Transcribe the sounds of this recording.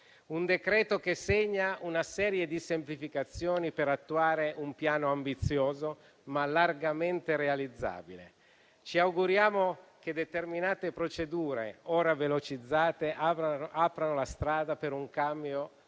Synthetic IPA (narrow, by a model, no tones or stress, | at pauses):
und̪ekɾɛːt̪okeseɲːaunasɛːɾjed̪isemplifikat̪sːjoːnipeɾat̪ːuaːɾeʔumpjaːnoambit̪sːjoːzo | malarɡament̪eɾealid̪zːa̰ːbilḛ | t͡ʃiawɡuɾjaːmoked̪et̪erminaːt̪epɾot͡ʃed̪uːɾḛoːɾavelot͡ʃid̪zːaːt̪eapɾanolast̪ɾaːd̪apeɾuŋkambjo